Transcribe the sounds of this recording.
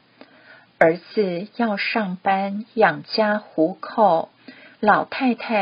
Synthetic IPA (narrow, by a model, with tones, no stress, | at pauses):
ə˞˧˥t͡sɹ̩˨˩jɑ˥˧ʊʂɑ˥˩ŋpa˥njɑ˨˩ŋt͡ɕja˥xu˧˥kʰo˥˩ʊ | lɑ˨˩ʊt̪ʰa˥˧ɪt̪ʰa˥˩